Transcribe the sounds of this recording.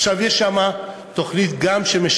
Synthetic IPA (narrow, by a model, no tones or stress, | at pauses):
ʃavjɛʃːama | t̪o̞χnit̪ɡamʃemeʃ